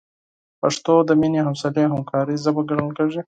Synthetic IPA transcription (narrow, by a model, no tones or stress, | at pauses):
paʂt̪od̪əmineɦamsaleɦamkʰɑɾizəbəɡɐɽəlkeʐi